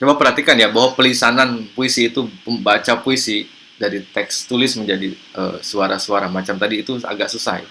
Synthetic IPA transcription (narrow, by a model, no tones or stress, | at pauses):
t͡ʃomapərɦat̪ikanjabaɦwapəlisananpuisiːt̪upəbat͡ʃapuisi | daɾit̪ɛkst̪ulɪsməɲd͡ʒadi | ʔə̰suaɾasuaɾamat͡ʃamt̪adiːt̪ua̰ɡaʔsusa̰hj